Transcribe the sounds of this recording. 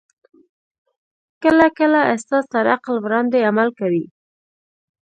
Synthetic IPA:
kəlakəlaɪst̪ɑzt̪aɾaqlwɾɑnd̪eamalkawi

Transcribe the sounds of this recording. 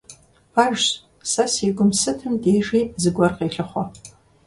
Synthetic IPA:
aʒ | sasiɡʷʊmsɨtʰɨmdejʐizɨɡʷarqʼejɬɐχʷa

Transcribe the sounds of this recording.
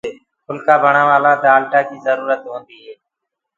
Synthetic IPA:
ɦʊlkaːbʱəɳãːʋaːlaːt̪ːaːlʈaːkiːzəɾuːɾət̪ɦõːnd̪iːɦeː

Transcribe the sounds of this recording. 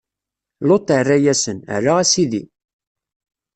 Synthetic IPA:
lot̪ːərːæjæsənə̰rːaʁæsiði

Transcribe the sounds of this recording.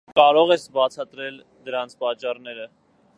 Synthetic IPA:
kɑɾɔʁɛsbɑt͡sʰɑt̪ɾɛl | d̪əɾɑnt͡sʰpɑt͡ʃːɑrnɛɾə

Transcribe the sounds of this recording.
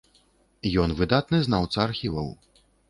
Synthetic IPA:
jɔnvɨd̪at̪nɨznawt̪sɐːrxʲivɐw

